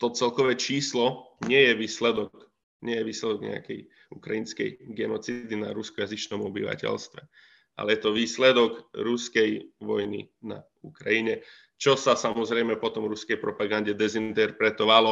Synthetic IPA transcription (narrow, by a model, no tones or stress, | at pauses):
t̪ɔt͡sɛlkɔʋɛt͡ʃiːslɔɲɪɛjɛʋiːslɛd̪ɔk | ɲɪɛjɛʋiːslɛd̪ɔɡɲɛ̰a̰kɛ̰j | ukɾajinskɛ̰jɡɛnɔt͡sid̪ina̰ɾuskɔjazit͡ʃnɔmɔbḭʋa̰cɛ̰lst̪ʋɛ | ʔa̰lɛjɛt̪ɔʋiːslɛd̪ɔɡɾuskɛjʋɔjnḭ | na̰ | ukɾajiɲɛ | t͡ʃɔsasamɔzɾɛjmɛpɔt̪ɔmɾuskɛjpɾɔpaɡanɟɛd̪ɛzint̪ɛɾpɾɛt̪ɔʋalɔ